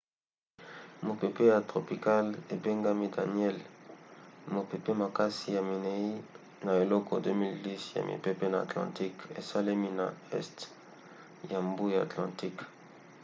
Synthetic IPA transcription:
mo˨pe˨pe˦ja˨tʁo˨pi˨ka˦le˨be˦ŋɡa˦mi˦da˨njɛ˦l | mo˨pe˨pe˦ma˨ka˦si˨ja˨mi˨ne˨i˦ | na˨e˨lɔ˦kɔ̰˨dø˦mi˦ldi˦sja̰˨mḭ˨pe˦pe˦na˨a̰˨tlã̰˨ti˦kḛ˨sa˦le˦mi˦na̰˨ɛ̰˦st | ja˨mbu˦ja˨a̰˨tlã˨ti˦k

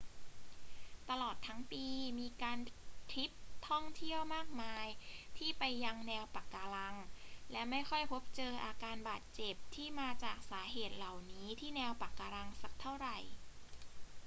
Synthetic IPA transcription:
t̪a˧lɔː˨˩t̪ʰːa˦˥ŋpiː˧miː˧kaː˧nt̪ʰɾi˦˥p̚t̪ʰɔ˥˩ŋt̪ʰi˥˩əwmaː˥˩k̚maː˧jt̪ʰiː˥˩pa˧jːa˧ŋnɛː˧wpa˨˩kːaː˧la˧ŋlɛ˦˥ma˥˩jxʰɔ˥˩jpʰo˦˥p̚t͡ɕɤː˧ʔaː˧kaː˧nbaː˨˩t̪̚t͡ɕe˨˩p̚t̪ʰiː˥˩maː˧t͡ɕaː˨˩k̚saː˩˦ɦeː˨˩t̪̚la˨˩wniː˦˥t̪ʰiː˥˩nɛː˧wpa˨˩kːaː˧ɾa˧ŋsa˨˩k̚t̪ʰa˥˩wɾa˨˩j

